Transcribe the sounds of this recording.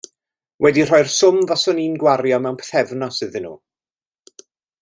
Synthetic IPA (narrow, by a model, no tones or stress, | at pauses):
wɛdir̥ɔɨrsʊmvasɔniːnɡwaɾjɔmɛwnpʰɛ̥θɛvnɔsɨðɨnṵː